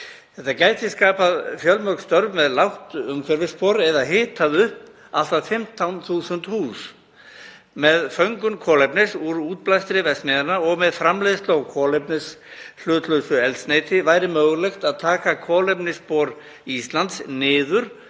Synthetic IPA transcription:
θɛht̪ːacaːjt̪ʰɪskaːpaðfjœlmœkst̪œɾvmɛðlawht̪ʏmfɛɾvɪspɔːɾɛðaɦɪːt̪ʰaðʏhp | a̰l̥t̪aðfɪm̥t̪ʰawnθuːsʏnt̪huːs | mɛðfœɥŋkʏnkʰɔːlɛpnɪsuɾuːt̪̚plajst̪ɾɪvɛst̪mɪðanaɔɣmɛðfɾamleːðst̪owɣkʰɔːlɛpnɪslʏːt̪lœsʏɛlt̪sneːjt̪ɪvaːjɾɪmœːɣlɛxt̪aðt̪ʰaːkakʰɔːlɛpnɪspɔːɾ | ist̪lant̪snɪːðʏɾ̥

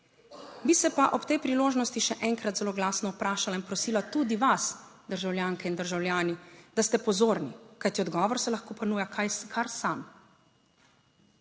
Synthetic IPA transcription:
bisɛpaʔɔpt̪ɛjpɾiloːʒnɔst̪iʃɛʔɛŋkɾat̪zɛloːɡlaːsnɔupɾaːʃalainpɾɔsiːlat̪ud̪iʋasd̪əɾʒawljaːŋkɛind̪əɾʒawljaːnid̪ast̪ɛpɔzoːɾnikajt̪iɔd̪ɡɔːʋɔɾsɛlaxkoːpɔnuːjakʰajskʰaɾsam

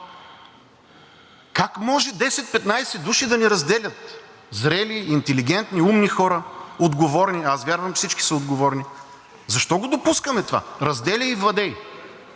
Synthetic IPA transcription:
kakmɔʒɛd̪ɛsɛt̪̚pɛt̪najsɛd̪uʃid̪ɐnɛɾɐzd̪ɛlʲɐt̪̚ | zɾɛliːnt̪ɛliɡʲɛnt̪niumnixɔɾəod̪ɡovɔɾniazvʲjaɾvɐmfsit͡ʃki̥sɐod̪ɡovɔɾni | zɐʃt̪ɔɡod̪opuskɐmɛt̪ova̰ɾɐzd̪ɛlʲəivlˠɐd̪ɛj

